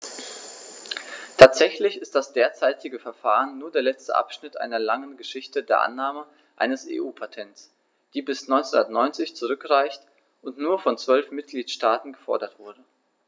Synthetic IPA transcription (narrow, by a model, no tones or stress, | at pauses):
tʰaːtz̥ɛçlɪçɪstd̥asd̥eːɐt͡saɪtʰɪɡəfɛɐfaːʁənːuːɐdeːɐlɛt͡stə̰ʔa̰pʃnɪtʔa̰ɪnɐlaŋənɡəʃɪçtədeːɐʔa̰nːaːmə | ʔa̰ɪnəsḛːʔuːpʰatʰɛnts | d̥iːbɪsnɔʏnt͡sʊndɐtnɔʏnt͡sɪçt͡suʁ̞ʏkʁaɪçt | ʊntnuːɐfɔnt͡sv̥œlfmɪt̚ɡ̥liːtʃtaːtn̩ɡəfɔɐdɐtv̥ʊɐdə